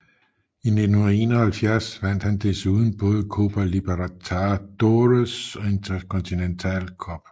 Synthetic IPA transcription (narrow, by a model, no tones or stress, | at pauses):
ine̝d̥n̩hunɐe̝ːnɒhælfjæɐ̰sʋæn̰d̥hænd̥esuːð̞ˠn̩b̥ɔ̽ːðˠəkʰo̝̰b̥ælib̥eʁat͡sʰɑd̥oʁəsɒ̽e̝nt͡sʰɐkʰɔnt͡sʰinent͡sʰɛ̰lkʰɒb̥